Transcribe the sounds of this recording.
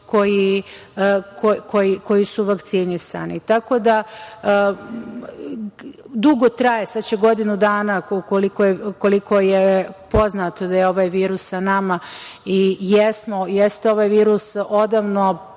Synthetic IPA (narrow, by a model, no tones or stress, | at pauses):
ko̞ji | kokʰojiko̞jisuʋakt̪sinisa̰nit̪ako̞d̪a | d̪uɡo̞t̪ɾajesad̪t͡ɕeɡo̞d̪inud̪aːnaukolikojeko̞liko̞jepo̞znat̪od̪ajeo̞ʋajʋiːɾusːanamaijesmojest̪eo̞ʋaːjʋiːɾuso̞d̪aʋno̞